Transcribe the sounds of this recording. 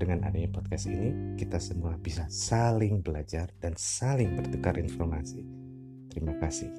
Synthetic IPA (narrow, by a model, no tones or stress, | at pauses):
dəŋana̰daɲapɔt̪̚kasinikit̪asəmuabisasalɪŋbəlad͡ʒardansalɪŋbərt̪ukarʔinfɔrmasi | t̪əɾimakasɪ̰h